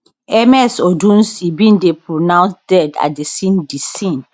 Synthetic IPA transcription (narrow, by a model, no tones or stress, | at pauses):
ɛmɛsodũnsibĩndepɹonãw̃nsdɛda̰desĩndisĩn